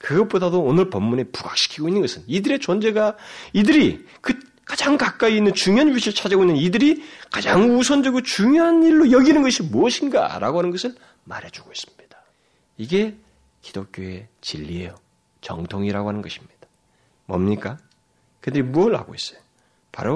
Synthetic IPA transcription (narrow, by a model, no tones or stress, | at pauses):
kɯɡʌp͈odadoːnɯɭpʌmːunepuɡa̰k̚ɕ͈ʰi̥kʰiɡoinːɯnɡʌsʰɯnidɯɾe̞t͡ɕond͡ʑe̞ɡaidɯɾi | kɯ | kad͡ʑaŋkak͈̚aiːnːɯnt͡ɕuŋjoɦanɥiɕʰiɭt͡ɕʰad͡ʑaɡoinːɯnidɯɾikad͡ʑaŋusʰond͡ʑʌɡot͡ɕuŋjoɦaniɭːojʌɡinɯnɡʌɕʰimoʌɕʰinɡa̰ɾʔa̰ɡohanɯnɡʌsʰɯɭ | ma̰ɾed͡ʑuɡois͈ɯ̥mɲid̥ḁ | iɡe̞ | ki̥d̥ok͈joe̞t͡ɕiʎːiejo | t͡ɕʌ̰ŋtʰoŋiɾaɡoɦanɯnɡʌɕʰi̥mɲid̥ḁ | mʌ̰mɲik͈a | kɯdɯɾimuʌɭha̰ɡois͈ʌ̥jo | pa̰ɾo